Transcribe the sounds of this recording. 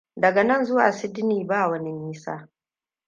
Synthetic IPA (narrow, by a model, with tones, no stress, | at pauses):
dɐ˨ɡɐ˨nɐ˦nzʊ˦waː˨sɪ˦dɪ˦niː˨baː˦˨wɐ˦ni˦miː˦sa̰ː˦